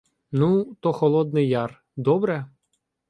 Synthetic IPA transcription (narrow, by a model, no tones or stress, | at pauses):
nut̪ɔxɔlˠɔd̪nɪjɑr | d̪ɔbɾɛ